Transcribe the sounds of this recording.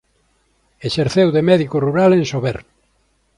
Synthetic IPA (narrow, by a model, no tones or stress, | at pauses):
eʃeɾθewðemɛðikoruɾaleŋsoβeɾ